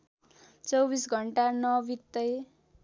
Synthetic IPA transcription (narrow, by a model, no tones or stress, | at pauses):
t͡sʌwbisɡʱʌɳʈanʌbit̪ːʌj